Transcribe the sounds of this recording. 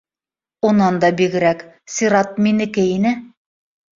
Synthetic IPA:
unɑnd̪ɑbiɡɘ̆ɾæk | sʲiɾɑt̪̚minɘ̆kɘinɘ

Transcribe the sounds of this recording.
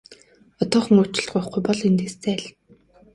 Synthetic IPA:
ɔt̪ɔːχɵ̆ŋʊːt͡ɕɪ̆ɬt̪ɢʊːχɡujpɔɮent̪eːst͡sʰæːɮ

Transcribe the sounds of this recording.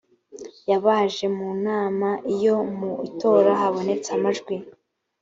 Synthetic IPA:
jaβaːʒe̞munaːmaʔijo̞muito̞ːɾaɦaβo̞ne̞t͡samaʒɡwi

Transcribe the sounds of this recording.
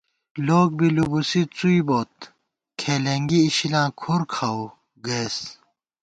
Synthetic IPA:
loːk̚bilubusit͡suiboːt̪̚ | kʰeleŋɡiːɕilãːkʰoɾkʰaw | ɡeːs

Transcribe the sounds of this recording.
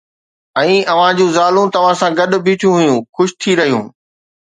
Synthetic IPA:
ɛ̃ːɐʋ̤ãd͡ʑũːzaːlũt̪ɐʋ̤ãsãːɡɐɗʊbʱiːʈʰjũɦʊjũxʊʃɪ̥t̪ʰiɾɐɦijũː

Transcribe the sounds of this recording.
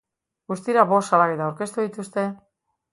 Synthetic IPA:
ɡust̪iɾaβo̞salaɣet̪awɾke̞st̪uðit̪ust̪e̞

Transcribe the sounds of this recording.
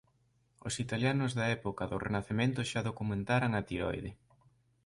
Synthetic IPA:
o̰sit̪aljanʊzðɐɛpokɐðʊrenaθemẽnt̪ʊʃaðokumẽnt̪aɾaŋɐt̪iɾɔ̰jðe

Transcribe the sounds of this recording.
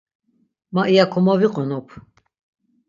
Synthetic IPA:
maʔijakʰɔmaviqʼɔnɔpʰ

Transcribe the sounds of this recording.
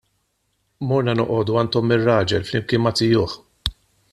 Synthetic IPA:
mɔɾnɐnɔʔɔːd̪uɐnt̪ɔmːɪrːɐːd͡ʒɛlflɪmkɪːnmːɐt̪ɪjʊːħ

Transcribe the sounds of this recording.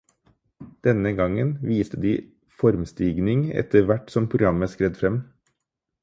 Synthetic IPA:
d̪̥ɛnəɡɑŋənʋiːst̪əd̪iː | fɔɾmst̪iːɡnɪŋɛ̰t̪əʋæʈsɔmpʰɾʊɡɾɑməskɾɛd̪fɾɛm

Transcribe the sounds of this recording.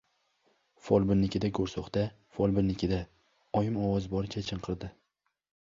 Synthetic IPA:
fɒlˠbɪnːɪkʲɪd̪aɡoɾsɒχt̪a | fɒlˠbɪnːɪkʲʰɪd̪a | ɒjɪmɒwɒzbɒɾɪt͡ʃʰat͡ʃʰɨɴqʰɨɾd̪ɪ

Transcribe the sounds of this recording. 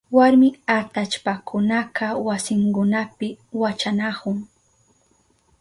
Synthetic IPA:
waɾmɪat̪at͡ʃpakʰʊnaqawasɪŋkʊnapɪ | wat͡ʃanakʊŋ

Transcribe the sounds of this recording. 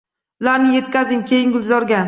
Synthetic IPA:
ʊlaɾnɪje̞t̪kʲazɪŋkʲʰe̞jɪŋɡʊlˠzɒɾɡʲan

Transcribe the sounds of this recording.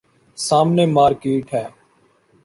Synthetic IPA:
saːmneːmaːɾkiːʈʰɦɛː

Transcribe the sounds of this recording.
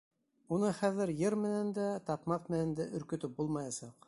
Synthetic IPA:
unɤχæðɘɾjɤɾmɘ̆nænd̪æt̪ɑpmɑq̚mɘ̆nænd̪æʔɵ̆ɾkɵ̆t̪ɵp̚bulˠmɑjɑsɑq

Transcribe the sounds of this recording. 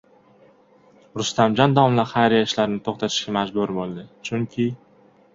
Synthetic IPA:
ɾʊst̪amd͡ʒɒnd̪awɒmlaɾχajɾijaɪʃlaɾɪnɪt̪ʰoχt̪ʰat̪ʰɪ̥ʃkʲamad͡ʒbʊɾbolˠd̪ɪt͡ʃʰʊŋkʲʰɪ

